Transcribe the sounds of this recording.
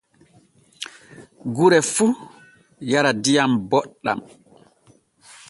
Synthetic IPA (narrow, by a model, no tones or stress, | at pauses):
ɡuɾɛfu | jaɾadijambɔɗːa̰m